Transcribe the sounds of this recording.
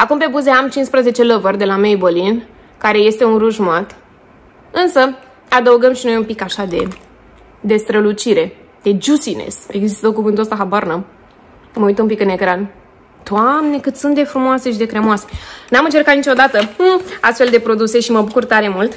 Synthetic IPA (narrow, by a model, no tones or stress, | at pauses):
akumpe̞buze̞amt͡ʃinspɾəze̞t͡ʃe̞ləvərd̪elamejbolin | kaɾe̞je̞st̪e̞unɾuʒmat̪ | ɨnsə | ad̪əuɡəmʃino̞jumpikaʃad̪e̞ | d̪e̞st̪ɾəlut͡ʃiɾe̞ | d̪̥e̞d͡ʒusinḛse̞̰ɡzist̪okuvɨnt̪uəst̪aɦabarnə | məujt̪əumpikɨne̞kɾan | d̪̥oamne̞kɨt̪sunt̪d̪e̞fɾumoase̞ʃid̪e̞kɾemoase̞̥namɨnt͡ʃe̞rkat̪nit͡ʃo̞d̪at̪əast̪fe̞ld̪e̞pɾo̞d̪use̞ʃiməbukurt̪aɾe̞mult̪